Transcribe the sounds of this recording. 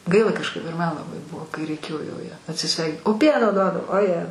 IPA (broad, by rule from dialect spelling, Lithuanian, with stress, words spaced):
ˈɡɐɪlˠɐ kɐʃˈkɐɪp ɪr ˈmɐn lˠɐˈbɐɪ ˈbʊʋoː kɐɪ rʲɛɪˈkʲeːjoː jɛʊ ˈjæː ɐtʲsʲɪˈsʲʋʲɛɪ oː ˈpʲiɛnoː ˈduɔdɐw oːˈjɛ